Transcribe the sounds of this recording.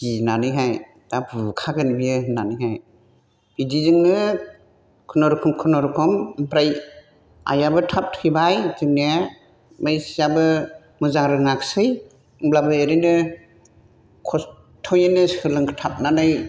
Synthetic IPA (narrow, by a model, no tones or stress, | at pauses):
inanɯjɦaj | d̥abɯkʰaɡɯnibijɯnanɯjɦaj | b̥idizɯŋnɯ | kʰɯnɔɾkʰɔmkʰɯnɔɾkʰɯmŋpɾaj | a̰jabɯtʰap̚tʰɯjbajzɯŋnija | majsijabɯ | mɯzaŋɾɯŋaksɯj | blabɯeɾɯnɯ | kʰɔs | tʰɔwjɯnɯsɯlɯŋʰtʰap̚nanɯj